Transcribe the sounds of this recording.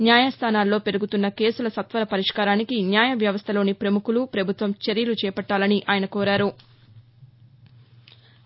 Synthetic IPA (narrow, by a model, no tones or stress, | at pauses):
njaːjaːst̪ʰaːnaːlːo̞ːpe̞ɾuɡut̪unːɐke̞ːsulɐsɐt̪ʋɐɾɐpɐɾiʂkaːɾaːnikinjaːjɐʋjɐʋɐst̪ʰɐlo̞ːnipɾɐmukulupɾɐbʱut̪ʋɐmt͡ʃeɾjɐlut͡ʃɛːpɐʈːaːlɐniʔaːjɐnɐkoːɾaːɾu